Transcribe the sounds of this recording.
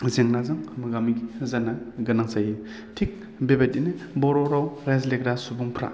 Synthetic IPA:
zeŋnazɯŋmɯɡamiɡizanaɡɯnaŋsaje | tʰik̚ | bebadinɯbɔɾɔɾawɾazlek̚ɾasubuŋpʰɾa̰

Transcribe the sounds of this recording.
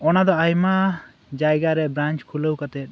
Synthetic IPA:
ɔnad̪ɔajma | d͡ʒajɡaɾɛbɾant͡ʃkʰuləwkat̪ɛt̪̚ˀ

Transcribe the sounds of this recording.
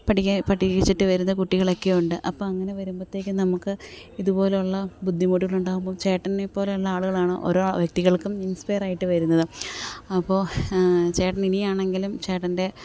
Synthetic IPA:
pɐʈiɐpɐʈːiɐɣit͡ɕːiʈːɨʋɐɾunːɐkuʈːiɣɐɭo̞kːejuɳɖɨʔɐpːoːɐŋːɐne̞ʋɐɾumbot̪ːe̞ːkʲːɨnɐmukːɨiðubo̞ːle̞uɭːɐbud̪ʱːimoːʈiɣɐɭuɳɖaːɣumboːt͡ɕe̞ːʈːɐnːepːo̞ːleilːɐaːɭuɣɐɭaːɳɨʔo̞̰ɾoːʋjɐk̚t̪iɣɐɭkuminspejɐraːjiʈːɨʋɐɾun̪ːɐðɨɐpːo̞ːt͡ɕe̞ːʈːɐninijaːɳe̞ŋɡilumt͡ɕe̞ːʈːɐnde̞

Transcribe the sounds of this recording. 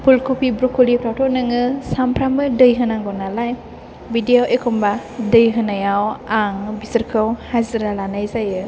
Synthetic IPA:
pʰulkʰupʰibɾɔkʰulipʰɾawtʰɔnɯŋɯsampʰɾamɯdɯjɦɯnaŋɡɔnalaj | bidijaʔekʰɔmba | dɯjɦɯnajawaŋbisɯɾkʰɯwhaziɾalanajzajɯ

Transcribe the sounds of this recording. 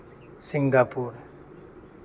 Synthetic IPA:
sɪŋɡaːpuːɾ

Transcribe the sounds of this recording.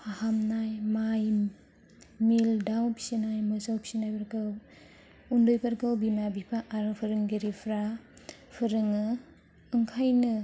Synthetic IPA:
pʰahamnajmaj | mildawpi̥sinajmɯzawpʰi̥sinajpaɾkɯw | undojpʰaɾkɯwbimabipʰaʔːɾɯpʰɯɾɯŋɡeɾipʰɾa | pʰɯɾɯŋɯː | ŋkʰajnɯ

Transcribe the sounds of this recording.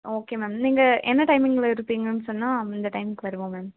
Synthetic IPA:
oːkeːmeːmniːŋɡɐʔɛnːɐʈɐɪmɪŋɡɐɭɪɾɯpːiːŋɡɐnːɯsɔnːaːɪnd̪ɐʈɐɪmɪkːɯʋɐɾɯʋõːmaːm

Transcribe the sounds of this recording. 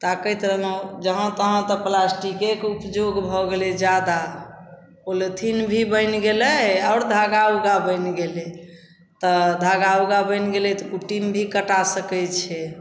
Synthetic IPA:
t̪akət̪ɾəɦod͡ʒəɦə̃t̪əɦə̃t̪ɔplasʈikekupd͡ʒoɡbʱɔɡelɛd͡ʒjad̪a | polet̪ʰinbʱibəjnɡeləɔːɾd̪ʱaɡawɡabəjnɡele | t̪ɔd̪ʱaɡawɡabəjnɡelɛt̪ɔkuʈimbʱikəʈasəkɛt͡ʃʰɛ

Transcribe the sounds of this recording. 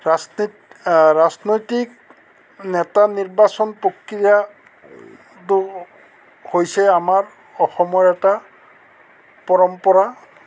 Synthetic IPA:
a | ɹaznojtik̚ | nɛtaniɹbasɔnpokɹija | tʊ | hojsɛamaɹ | ɔxɔmɔɹɛta | pɔɹɔmpɔɹa

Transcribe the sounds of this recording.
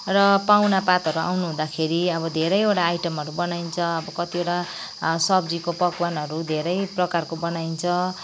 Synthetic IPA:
rʌpawnapat̪ʌɾua̰wnuɦũd̪akʰeɾiʌbʌd̪ʱeɾʌjeʈaːjʈʌmʌɾubʌnaint͡sʰʌʌbʌkʌt̪ieʈa | sʌbd͡zikopʌkwanʌɾud̪ʱeɾʌjprʌkarkobʌnaint͡sʰʌ

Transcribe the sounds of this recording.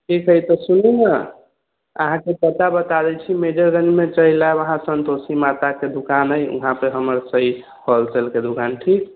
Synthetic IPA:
kikʰəjt̪ɔsuninə | ə̰ɦãkepət̪abət̪ad̪ɛt͡ʃʰimed͡ʒəɾɡə̃nd͡ʒmet͡ʃəɦilabəɦãsənt̪osimat̪aked̪ukanəjṵɦãpəɾɦəməɾsəi | hʰəlselked̪ukanʈʰik̚

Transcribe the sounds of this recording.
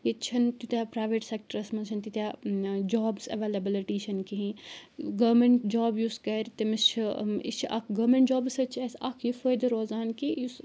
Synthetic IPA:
jet͡ʃʰɐnt̪ut̪ʲjaːpɾaːʋeʈsek̚ʈɐɾɐsmɐnt͡ʃʰɐnt̪it̪ʲjaːd͡ʒaːbsɐ̰ʋeːlɐbɐlɐʈiːʃʰɐnkiɦĩɡɐmeɳʈd͡ʒaːbjuskɐɾt̪ɐmɐst͡ʃʰiḭst͡ʃʰiʔɐ̰kʰɡɐmeɳʈd͡ʒaːbsɐt͡ʃʰɐsakʰjifojd̪ɐɾoːzaːnkijus

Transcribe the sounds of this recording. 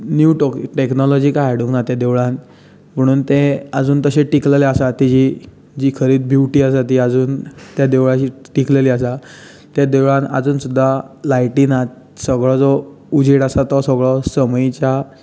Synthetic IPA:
njuʈɔkʈeknɔlɔd͡ʑiːkaaɽũŋknat̪jad̪eʋɭãn | m̤əɽ̃uːnt̪eəd͡zuːnt̪əɕẽʈikleleasat̪id͡ʑi | d͡ʑiːkʰəɾiːt̪̚bʱjuʋʈiːasat̪iad͡zuːnt̪jad̪eʋɭaɕiː | ʈikleliːasa | t̪jad̪eʋɭãna̰d͡zuːnsud̪ʱːalajʈinat̪ | səɡɭɔd͡zɔ | ud͡ʑʱiɽasat̪ɔsəɡɭɔsəməjt͡ɕja

